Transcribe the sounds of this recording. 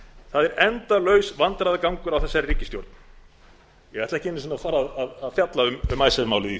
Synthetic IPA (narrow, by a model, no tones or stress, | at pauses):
θaðɛɾɛnt̪alœːɥsvant̪ɾaðakawŋkʏɾawθɛsːaɾriːcːɪst̪jowɾt̪n | jɛɣɛɾht̪ɛ̥cɪenɪs̬ɪnafaːɾaðaðaðfjat̪laʏmʏmajsɛmawlɪði